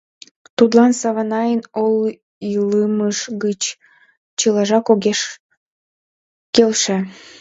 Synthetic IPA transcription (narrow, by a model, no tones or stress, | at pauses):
t̪ud̪lɑnsɑβɑnɑjənol | iləməʃɣət͡ɕ | t͡ɕəlɑʒɑkoɡeʃ | kelʃe